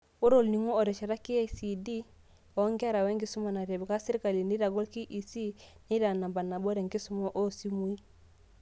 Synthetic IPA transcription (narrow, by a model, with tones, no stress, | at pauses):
o˦ɾo˦˨lni˨ŋɔː˦˨ɾɛ˨ʃa˨ɾa˦ki˦a˦si˨di˦ | ɔ˨˦ŋɡa˦ɾa˨we˦ŋɡi˦su˦ma˨na˨ɾe˨bɡa˦si˦ɾi˦ka˨li˨ni˦ɾa˨ɡo˦lki˦ʔi˨si˦ni˦ɾa˨na˨mba˨na˨bo˦ɾe˨ŋɡi˦su˦mɔ˦ʔo˦˨si˦mu˦i˦